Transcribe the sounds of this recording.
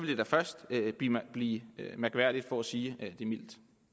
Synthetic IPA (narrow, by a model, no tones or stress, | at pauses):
ʋe̝ld̥e̝d̥æfɶɐsd̥øb̥ib̥liːømæɐɡ̥ʋæɐ̰ɾ̥id̥fɒ̽æsiːd̥e̝mil̰d̥